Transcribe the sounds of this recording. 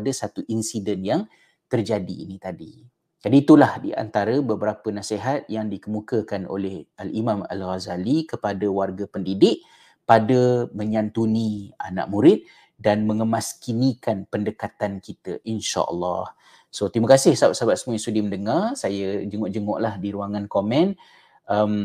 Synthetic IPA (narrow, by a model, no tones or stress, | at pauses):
dəsat̪uʔinsidənjaŋ | t̪ərd͡ʒadiːnit̪adi | d͡ʒadiːt̪ulahdḭa̰nt̪aɾəbəbəɾapənaseɦat̪̚jaŋdikəmukəkano̰lɛhalimãma̰lɣazalikəpadəwarɡapəndidɪʔ̚ | padəməɲant̪unia̰na̰ʔmuɾɪt̪̚ | danməŋəmaskinikanpəndəkat̪ankit̪əʔinʃa̰ʔə̰lːɑ̰h | sot̪iməkasɪhsabaʔ̚sabaʔ̪səmuisudiməndəŋarsajəd͡ʒəŋʊʔd͡ʒəŋʊʔlahdiɾuaŋankomɛ̃n | ʔəm